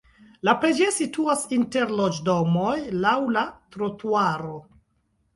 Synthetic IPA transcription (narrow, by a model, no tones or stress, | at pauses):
lapɾed͡ʒe̞situasinte̞ɾlod͡ʒdo̞mojlawlatɾotuaɾo̞